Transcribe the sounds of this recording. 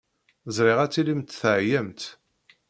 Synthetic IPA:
zˤɾɪʁæt͡sːilimt̪θʕjæmt̪

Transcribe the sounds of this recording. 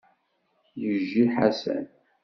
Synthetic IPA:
jəʒːiħasæ̰n

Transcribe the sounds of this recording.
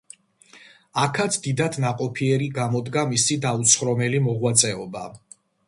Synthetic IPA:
akʰat̪sʰd̪id̪ad̪naqʼɔpʰiɛɾiɡamɔd̪ɡamisid̪aut̪sʰχɾɔmɛlimɔʁwat̪sʼɛɔba

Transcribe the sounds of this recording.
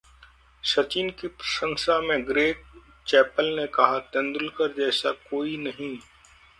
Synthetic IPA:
ʃɐt͡ʃiːnkipɾɐʃə̃ŋʃamẽɡɾeːk̚ | t͡ʃɛːpəlnekɐɦat̪ɐ̃nd̪ʊlkəɾd͡ʒɛːsakoːinɐɦĩ

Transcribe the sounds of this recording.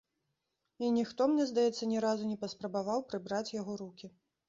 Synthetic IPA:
inʲixt̪ɔmnʲɛzd̪ajɛt̪sːɐnʲɛɾazunʲɛpɐspɾɐbavawpɾɨbɾat͡sʲjaɣɔɾukʲi

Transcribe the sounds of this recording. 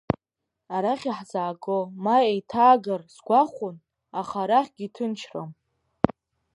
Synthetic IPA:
aɾaχʲiħzaːɡʼomaejtʰaːɡarsɡʷaχʷʊn | aχaɾaχʲɡ̥ʲitʰɨnt͡ʃʰro̰m

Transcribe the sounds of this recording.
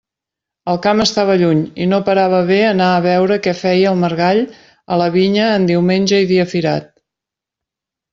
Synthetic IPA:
əlˠkaməst̪aβ̞əʎuɲḭnopəɾaβəβeənaəβɛwɾəkɛfɛjəlˠməɾɣaʎ | ələβiɲəːnd̪iwmenʲʒəiðiəfiɾa̰t̪̚

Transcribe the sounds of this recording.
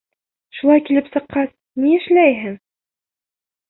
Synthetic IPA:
ʃulˠɑjkilɘpsɤ̆qːɑs | niɘ̆ʃlæjɦɘŋ

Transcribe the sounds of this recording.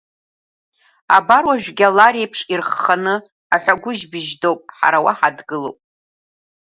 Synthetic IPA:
a̰barwaʒᶣɡʲalaɾejpʰʂirχːanɨ | aħʷᶣaɡʷʊʒbɪʒdowpʼħa̰ɾawa̰ħadɡɨlowpʼ

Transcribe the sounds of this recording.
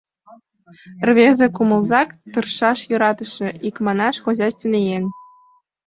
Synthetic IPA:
rβʲezʲĕkumɤ̆lˠzɑkt̪ɯ̆rʃɑʃjŏɾɑt̪ɤ̆ʃĕikmɑnɑʃxoʑɑsʲt̪ʲnʲejenʲ

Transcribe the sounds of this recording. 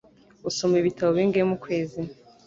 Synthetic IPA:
usomiβitaβoβiːŋɡemukweːzi

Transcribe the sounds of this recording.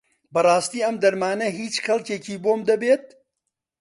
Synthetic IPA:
bɐrˤɑːst̪iːɐmd̪ɐɾmaːnɐɦiːt͡ʃxɐlˠceːciːboːmd̪ɐbeːt̪̚

